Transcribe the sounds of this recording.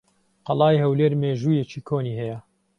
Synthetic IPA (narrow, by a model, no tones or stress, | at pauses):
qɐlˠɑːjhɐwleːɾmeːʒuːjet͡ʃiːkʰoːniːhɛjɛ